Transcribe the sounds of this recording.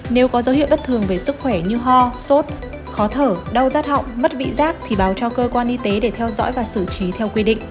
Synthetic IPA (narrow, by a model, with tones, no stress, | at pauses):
ne˨˦wkɔ˨˦zə˨˦whi˧˨wɓt̚t̪ʰɨ˨˩əŋve˨˩sɨ˦˥k̚xwɛ˧˩ɲɨ˧ɦɔ˧so˦˥t̚ | xɔ˨˦t̪ʰəː˧˩ɗə˧wzaː˦˥t̚hɔ̰˧˨wŋ͡mmə˦˥t̚vḭ˧˨zaː˦˥k̚t̪ʰi˨˩ɓaː˨˩wt͡ɕɔ˧kəː˧kwaː˧nʔi˧t̪e˨˦ɗe˧˩t̪ʰɛ˧wzɔ̰ː˧˥jvaː˨˩sɨ˧˩t͡ɕi˨˦t̪ʰɛ˧wkwi˧ɗḭ˧˨ŋ̟